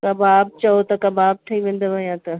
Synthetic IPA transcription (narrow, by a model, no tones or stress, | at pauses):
kɐbaːb̚t͡ʃɐot̪ɐkɐbaːb̚ʈ̪ʰɐiʋẽːnd̪oʋɐjãt̪ɐ